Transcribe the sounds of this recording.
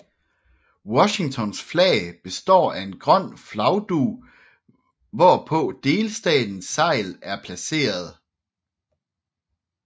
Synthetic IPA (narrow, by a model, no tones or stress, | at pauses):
wɒ̽ɕi̝ŋt͡sʰɒ̽nsflɛ̰ːɪb̥e̝sd̥ɒ̰ːæe̝nɡ̥ʁɶn̰flɑ̈ʊd̥uː | ʋɒpʰɔ̽d̥e̝ːlsd̥ɛ̰ːd̥n̩sːɑ̈ɪ̰læɐpʰlæse̝̰ːɐð̞ˠ